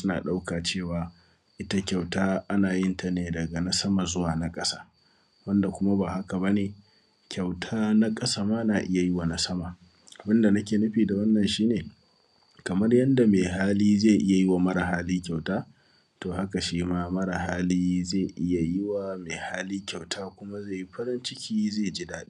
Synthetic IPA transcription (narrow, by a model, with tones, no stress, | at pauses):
sʊ˦na̰ː˨ɗa˦wkaː˨t͡ʃeː˦˨waː˨ | ʔɪ˦ta˦kʲa˨wtaː˦ʔa˦naː˨jɪ˦nta˨neː˨dɐ˨ɡa˨na˦sɐ˦ma˨zʊ˦waː˨na˦kʼɐ˦sḁː˦ | wɐ˦nda˨kʷʊ˦ma˦baː˨ha˦ka˨bɐ˦neː˨ | kʲʰa˨wtʰaː˦na˦kʼɐ˦sa˦maː˦naː˨ʔɪ˦ja˨jɪ˦wa˨na˦sɐ˦ma˨ | ʔa˨bɪ˦nda˨nɐ˦kʲeː˨nʊ˦ɸiː˨da˨wɐ˦nːɐ˨nʃiː˦neː˨ | kɐ˨mɐ˦rjɐ˦nda˨meː˨ɦaː˦liː˦zeː˦˨ʔɪ˦ja˨jɪ˦wa˨mɐ˦ɾa˨ɦaː˦liː˦kʲa˨wtaː˦ | toː˨ha˦ka˨ʃiː˦maː˦mɐ˦ɽa˨ɦaː˦liː˦zeː˦˨ʔɪ˦ja˨jɪ˦wa˨meː˨haː˦liː˦kʲa˨wtʰaː˦kʷʊ˦ma˦ze˦˨ji˦ɸɐ˦ɾɪ˦nt͡ʃɪ˦kʲiː˦zeː˦˨d͡ʒi˦daː˦ɗɪ˦